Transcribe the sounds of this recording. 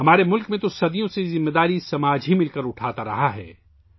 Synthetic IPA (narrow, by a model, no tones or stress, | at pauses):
ɦɐmaːɾemʊlkmẽt̪osɐd̪ijõsezɪmːed̪aːɾisɐmaːd͡ʒɦimɪlkɐɾʊʈʰaːt̪aɾɐ̰ɦaɦɛ̰ː